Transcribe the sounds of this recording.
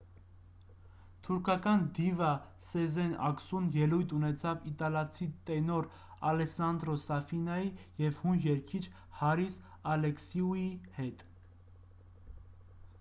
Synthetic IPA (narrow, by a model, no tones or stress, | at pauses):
t̪ʰuɾkʰɑkɑnd̪ivɑsɛzɛnɑ̰ksunjɛlujt̪ʰunɛt͡sʰɑvit̪ɑlɑt͡sʰit̪ɛnɔɾ | ɑlɛsɑnd̪ɾɔsɑfinɑjijɛvhunjɛɾkʰit͡ʃʰ | hɑɾis | ɑlɛksiuihɛt̪